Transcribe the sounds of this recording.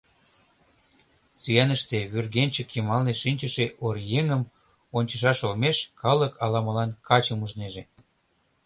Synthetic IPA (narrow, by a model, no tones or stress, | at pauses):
syjænəʃt̪eβyrɣenʲt͡ɕə̆kjəmɑlneʃinʲt͡ɕəʃeʔorjeŋəm | onʲt͡ɕə̆ʃ̬ɑʃolmeʃkʰɑləkɑlɑməlɑnkɑt͡ɕəmuʒneʒe